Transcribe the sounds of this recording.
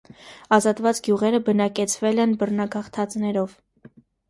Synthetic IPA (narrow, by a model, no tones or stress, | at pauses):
ɑzɑt̪vɑt͡sɡjuʁɛɾəbənɑkɛt͡sʰvɛlɛnbərnɑɡɑχt̪ʰɑt͡snɛɾɔv